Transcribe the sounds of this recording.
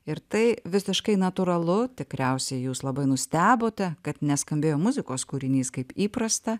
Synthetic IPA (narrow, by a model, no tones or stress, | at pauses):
ɪɾt̪ɐɪʋʲɪsʲɪʃkɐɪnɐt̪uɾɐlˠʊt̪ʲɪkɾʲɛʊsʲɛɪjuːslˠɐbɐɪnʊsʲt̪ʲæːboːt̪ʲɛkɐt̪nʲɛskɐmʲbʲeːjoːmʊzʲɪkoːskuːɾʲɪnʲiːskɐɪpiːpɾɐst̪ɐ